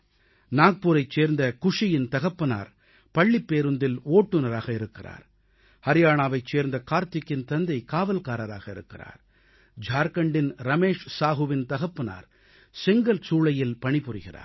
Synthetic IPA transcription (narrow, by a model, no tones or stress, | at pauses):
naːk̚puːɾɐɪt͡ʃːeːɾnd̪ɐkʊʂɪjɪnt̪ɐɣɐpːɯna̰ːɾ | pɐɭːɪpːeːɾɯnd̪ɪloːʈːɯnɐɾaːɣɐɪɾɯkːɪra̰ːɾ | hɐɾɪjaːɳaːʋɐɪt͡ʃːeːɾnd̪ɐkaːɾt̪ɪkːɪnt̪ɐnd̪ɐɪkaːʋɐlkaːɾɐɾaːɣɐɪ̰ɾɯ̰kːɪra̰ːɾ | d͡ʒaːɾkɐɳɖɪnɾɐmeːʂsaːɣɯʋɪnt̪ɐɣɐpːɯna̰ːɾ | sɪŋɡɐlsuːɭɐjɪlpɐɳɪpʊrɪɣɪra̰ːɾ